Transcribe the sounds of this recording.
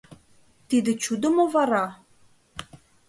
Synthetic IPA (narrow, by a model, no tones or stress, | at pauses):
t̪id̪ɘ̆t͡ɕud̪ŏmovɑɾɑ